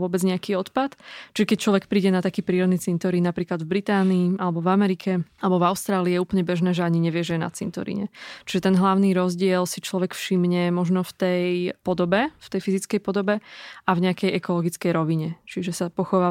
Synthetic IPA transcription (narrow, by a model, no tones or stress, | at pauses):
ʊɔbɛd͡zɲɛakiːɔt̪pat̪t͡ʃiʒɛkɛc̚t͡ʃlɔʋɛkpɾiːɟɛnat̪akiːpɾiːɾɔd̪niːt͡sint̪ɔɾinnapɾiːklad̪vbɾit̪aːniːʔalɛbɔvamɛɾikʰɛalɛbɔvaʊst̪ɾaːliːjɛuːplɲɛbɛʒnɛːʒɛaɲiɲɛʋɪɛʒɛjɛna̰t͡sḭnt̪ɔ̰ɾḭɲɛ̰t͡ʃiʒɛt̪ɛnɦlaʊniɾɔzɟɪɛlsit͡ʃlɔʋɛkfʃimɲɛmɔʒnɔft̪ɛjpɔd̪ɔbɛft̪ɛjfizit͡skɛjpɔd̪ɔbɛʔavɲɛakɛjʔɛkɔlɔɡit͡skɛjɾɔʋiɲɛt͡ʃiʒɛsapɔxɔʋaː